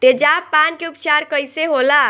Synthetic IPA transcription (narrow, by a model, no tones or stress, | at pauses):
t̪ed͡ʒapːankeupt͡ʃaɾkəjseɦola